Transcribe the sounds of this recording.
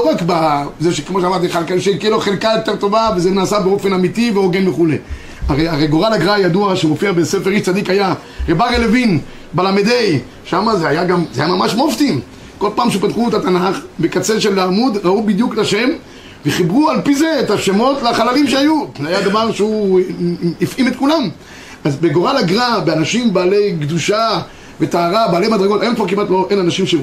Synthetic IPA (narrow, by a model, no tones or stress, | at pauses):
loʁakbazeʃekemoʃamaʁt̪iχalkaʃekiloχelkajot̪eʁt̪o̞vavezenaːsabeo̞fe̞namit̪iveoɡenveχulḛ | aʁejaʁejɡoʁalaɡʁajad̪uaʃemofiabesefeʁiʃt͡sad̪ikaja | ʁebaʁelevin | balamed̪ej | ʃamazeajaɡamzeajamamaʃmoft̪im | ko̞lpaːmʃepat̪χuet̪at̪anaχbekat͡seʃelːaːmud̪ʁaubid̪juklaʃe̞m | veχibʁualpize̞etaʃemo̞tleaχalalimʃeajuzeajad̪avaʁʃeu | ifʔimet̪kulam | azbe̞ɡoʁalaɡʁabeanaʃimbaːle̞jɡd̪uʃa | vet̪aːʁabealejmad̪ʁeɡo̞t̪aomkvaʁkimatlo̞ʔenanaʃimʃe